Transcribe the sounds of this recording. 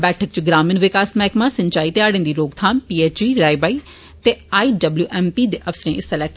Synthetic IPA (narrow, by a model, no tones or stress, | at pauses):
bɛːʈʰək̚t͡ʃɡɾaːmɪnʋɪkaːsmɛːkmãːsə̃ɲt͡ʃaːiːt̪ɪaːɽẽːnd̪iːɾoːɡt̪ʰaːmpiːeːt͡ʃiːɾaːibaːiː | t̪eːaːiːɖəbljuːʔɛːmpiːd̪eːʔəfsɾẽːɪsəlɛːk̚ʈ